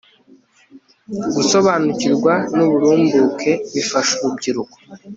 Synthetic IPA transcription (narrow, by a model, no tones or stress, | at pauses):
ɡuso̞βanuciɾɡwanuβuɾuːmbukʰe̞mifaʃuβubɟiɾuko̥